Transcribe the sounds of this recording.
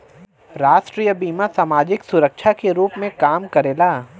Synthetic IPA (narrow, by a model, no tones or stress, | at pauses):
ɾaːʃʈɾiːjəbiːmasaːmaːd͡ʒɪksʊɾəkʃʰakeɾuːpmẽkaːmkɐɾeːlaː